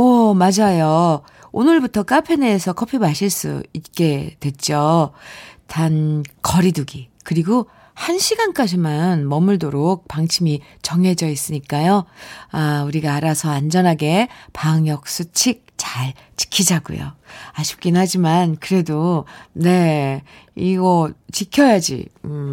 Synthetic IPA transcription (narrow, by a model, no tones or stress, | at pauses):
ʌmad͡ʑajo | onɯɭbutʰʌk͈apʰe̞ne̞ːsʰʌkʰʌpʰimaɕʰiɭs͈ṵit̚k͈e̞dwe̞t̚t͡ɕ͈o | tʰankʌɾiduɡikɯɾiɡo | hanɕʰiɡank͈ad͡ʑimanmʌmɯɭdoɾok̚paŋt͡ɕʰimi | t͡ɕʌŋe̞d͡ʑʌis͈ɯɲik͈ajoauɾiɡaːɾasʰʌand͡ʑʌnɦaɡe̞paɯŋjʌk̚s͈ut͡ɕʰik̚t͡ɕaɭ | t͡ɕi̥kʰid͡ʑaɡṵjo̰aɕʰi̥p̚k͈inhad͡ʑimankɯɾe̞done̞ | iɡʌt͡ɕikʰjʌjad͡ʑḭ